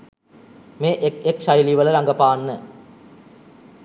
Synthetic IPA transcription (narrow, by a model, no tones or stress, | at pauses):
meːʔekekʃajliʋələɾaŋɡəpaːnːə